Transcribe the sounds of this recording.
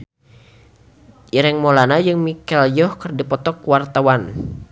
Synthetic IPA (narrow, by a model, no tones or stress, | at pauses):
ʔiɾɛŋmolanajɨŋmikɛljɔhkɨrdipɔt̪ɔkwart̪awan